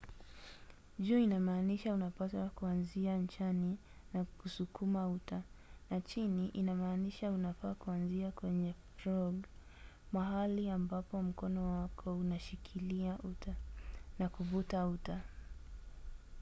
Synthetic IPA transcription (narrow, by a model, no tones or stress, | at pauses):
ʄuinamaːniʃaunapaswakuanziant͡ʃani | nakusukʰumautanat͡ʃiniʔinamaːniʃaunafaːkuanziakwɛɲɛfɾɔɡ | maɦaliambapɔm̩kɔnɔwakʰɔunaʃikʰiliauanakuvutauta